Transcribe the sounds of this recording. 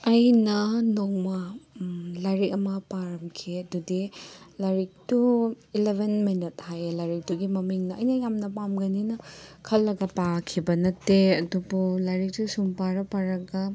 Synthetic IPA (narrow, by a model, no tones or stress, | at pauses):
ɐjnɐnoŋmɐ | laɾikɐmɐpaɾɐmkʰiɐdudilaɾik̚tu | ilebʱenminit̚hajlaɾik̚tuɡimɐmiŋnɐɐjnɐjamnɐpamɡɐninɐkʰɐlːɐɡɐpakʰibɐnɐtːeɐdubulaɾik̚tusumpaɾɐpaɾɐɡɐ